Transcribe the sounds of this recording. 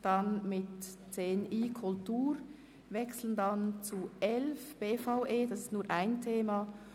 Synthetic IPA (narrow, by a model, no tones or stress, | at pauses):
d̥ɑnmɪtt͡seːniːkʰʊltuːɾ | vɛksl̩əndɑnt͡suɛlfb̥eːfaʊʔeːdɑsɪstnuːɾʔaɪntʰeːma